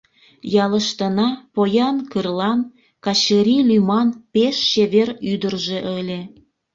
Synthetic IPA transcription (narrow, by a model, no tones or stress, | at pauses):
jɑləʃt̪ənɑpojɑnkɨrlɑn | kɑt͡ɕəɾʲilymɑnpeʃːeβeryd̪ərʒe̽ʔəlʲe